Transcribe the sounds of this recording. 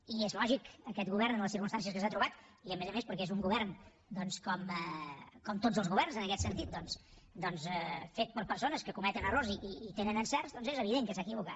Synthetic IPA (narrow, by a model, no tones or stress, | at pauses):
iezlɔʒikəkɛt̪̚ɣuβɛɾrnənləs̬iɾkunst̪ans̬iəs̬kəs̬at̪ɾuβat̪iəmezəmespəɾkɛezuŋɡuβɛrn | d̪ɔnskɔməkɔmt̪od͡zəlˠzɣuβɛrnzənəkɛt̪sənt̪it̪̚d̪ɔnsd̪ɔnsɛfet̪̚pəɾpəɾsonəskəkumɛt̪ənərorziʔiːt̪enənənsɛrzd̪ɔnzezəβiðeŋkəsakiβ̞ukat̪